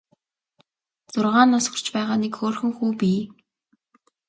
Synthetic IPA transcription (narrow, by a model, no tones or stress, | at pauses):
t͡sʊrʁaːnːɔsɢɞ̆r̥t͡ɕpæːʁaːnekxoːrxɘ̆ŋxuːpiː